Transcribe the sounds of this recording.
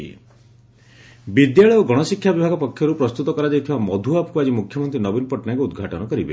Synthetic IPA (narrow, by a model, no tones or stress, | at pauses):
bid̪jaɭɔoɡɔɽ̃ɔsikʰːjabibʱaɡɔpɔkʰːjɔɾupɾɔst̪ut̪ɔkɔɾad͡ʒajt̪ʰibamɔd̪ʱuapkuad͡ʒimukʰjɔmɔnt̪ɾinɔbinɔpɔʈɔnaŋkuud̪ɡʱaʈɔnɔkɔɾibḛ